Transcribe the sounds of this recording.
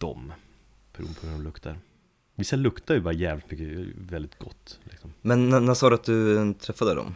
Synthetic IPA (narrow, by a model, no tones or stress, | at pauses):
d̪̥ɔ̰m | pʰæɾṵːpʰɔhʉɾɔmlɵkt̪ʰaɾ | vɪsːalɵkt̪aɾɛjəbɑːɾajɛːvlɪt̪mʏkːəvɛld̪ɪt̪ɡɔt̪ːlʔɪksɔmmɛnːænːæsɑːd̪əat̪̚d̪ɵt̪ʰɾɛfːad̪əd̪ɔ̰m